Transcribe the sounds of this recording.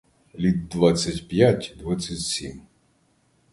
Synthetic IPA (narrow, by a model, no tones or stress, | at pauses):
lʲid̪ːʋat͡sʲsʲːɐtʲpʲjatʲd̪ʋat͡sʲːɐtʲsʲim